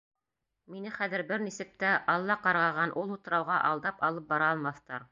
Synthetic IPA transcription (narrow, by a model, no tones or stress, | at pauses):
minɘχæðɘ̆ɾbɘɾnisɘk̚t̪æʔɑlˠːɑqɑɾʁɑʁɑnʔulˠut̪ɤ̆ɾɑwʁɑʔɑlˠd̪ɑpɑlˠɤp̚bɑɾɑːlˠmɑθt̪ɑɾ